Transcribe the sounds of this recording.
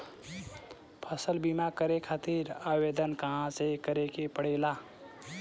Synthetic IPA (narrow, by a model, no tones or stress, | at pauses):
pʰəsəlbimakəɾekʰat̪iɾawed̪ənkəɦãsekəɾekepəɽela